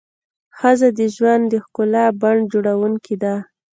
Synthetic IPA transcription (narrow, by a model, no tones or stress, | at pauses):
xəzad̪əʒwand̪d̪əxkʊlabaɳɖd͡ʒoɽawuŋkid̪a